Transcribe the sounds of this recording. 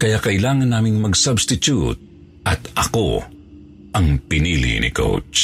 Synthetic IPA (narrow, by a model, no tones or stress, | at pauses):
kɐjakɐʔɪlaːŋanːaːmɪŋmɐɡsabst̪ɪt̪ut̪̚ | ʔɐt̪ɐko̰ | ʔɐŋpɪnilḭnɪ̰ko̰wt͡ʃ